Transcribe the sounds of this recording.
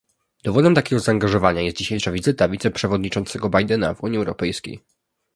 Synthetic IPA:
d̪̥ɔvɔd̪ɛmt̪akʲɛɡɔzaːŋɡaʐɔvaɲajɛst̪̚d͡ʑiɕejʂavʲizɘt̪avʲit̪sɛpʂɛvɔd̪ɲit͡ʂɔnt̪sɛɡɔbajd̪ɛna̰vuɲiɛwɾɔpɛjskʲḛj

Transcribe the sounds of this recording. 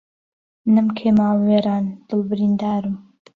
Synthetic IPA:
nɨmkʰeːmaːlweːɾaːnd̪̥ɨlbɨɾiːnd̪aːɾum

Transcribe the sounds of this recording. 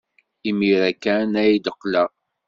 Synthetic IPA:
imiɾækːænæjid̪əqːləʁ

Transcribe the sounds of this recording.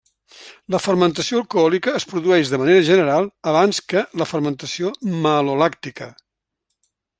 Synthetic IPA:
ləfərmənt̪əsioəlˠkuɔlikəːspɾuðuɛʒðəməneɾəʒənəɾalˠəβ̞anskələfərmənt̪əsioməlulak̚t̪ikə

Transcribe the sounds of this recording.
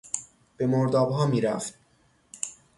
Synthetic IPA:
b̥e̞moɾd̪ɒːbɦɒːmiːɾæ̰ft̪̚

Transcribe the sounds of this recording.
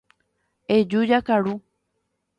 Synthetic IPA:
ed͡ʒud͡ʒakaɾu

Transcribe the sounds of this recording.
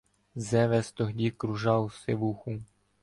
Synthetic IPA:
zɛʋɛst̪ɔɦdʲikɾuʒɑwsɪʋuxu

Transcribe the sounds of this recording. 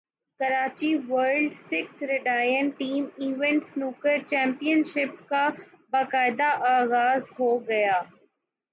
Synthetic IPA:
kɐɾaːt͡ɕiʋəɾɖsɪksɾɪɖaːjənʈiːmiːʋɛ̃ɳʈsnʊkəɾt͡ɕɛ̃ːmpijənʃɪp̚ka | bakaːɪd̪aʔaːɣaːzɦoːɡɐjaː

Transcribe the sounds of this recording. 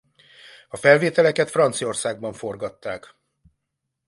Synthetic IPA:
ɒfɛlveːt̪ɛlɛkɛt̪frɒnt̪sio̞rsaːɡ̚bɒɱfo̞rɡɒt̪ːaːk

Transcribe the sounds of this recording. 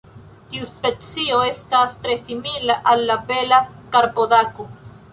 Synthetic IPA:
t̪iuspet͡sioeskast̪ɾesimilaʔalːabelakaɾpodaku

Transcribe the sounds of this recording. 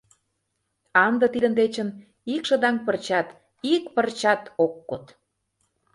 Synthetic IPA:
ɑnd̪ə̆t̪id̪ə̆nd̪et͡ɕə̆n | ikʃə̆d̪ɑŋpərt͡ɕɑt̪ | ikpərt͡ɕɑt̪okːot̪

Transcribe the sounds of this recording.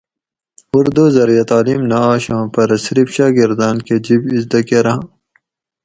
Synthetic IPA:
uɾd̪uzɐɾjɐt̪aːlimnaaːɕãːpɐɾɐsɾifɕaːɡiɾd̪aːnked͡ʑibizd̪ɐkeɾɐɦ

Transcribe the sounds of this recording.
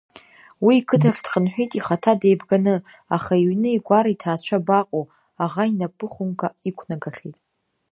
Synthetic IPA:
wiːkʰɨtʰardqʼənħʷᶣijtʼiχatʰadejbɡanɨ | aχaiɥnɨiɡʷaɾaitʰaːt͡ɕʷʰabaqʼo | aʁainapʼɨχʷʊŋkʷʼaikʷʰnaɡaɬʲijtʼ

